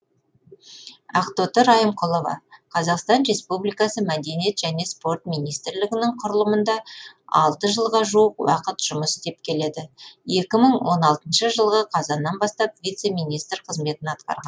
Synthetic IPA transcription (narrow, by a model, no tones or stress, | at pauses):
ɑqt̪ot̪əɾɑjəmqʰolˠovɑ̰qʰɑzɑqst̪ɑnɾe̞spublijkɑsəmæd̪e̞nije̞t̪ʒ̥æne̞spo̞rt̪mijnijst̪ɾlɪɡʲɪnɪŋqʰʊɾəlˠəmənd̪ɑɑ̰lˠt̪əʒəlˠʁɑʒuəqwɑ̰qət̪ʒ̥ʊməsɪt̪e̞p̚kʲʰe̞le̞d̪ɪje̞kʲɪməɴwo̞nɑlˠt̪ənʃəʒəlˠʁəqʰɑzɑnːɑnbɑst̪ɑpvʲijt̪se̞mʲijnijst̪rqʰəzme̞t̪ɪnɑt̪qɑ̰ɾʁɑnn